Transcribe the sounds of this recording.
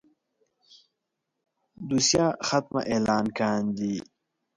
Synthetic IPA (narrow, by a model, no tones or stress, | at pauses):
d̪usjaːxat̪ma̰ʔeːlaːnkaːnd̪i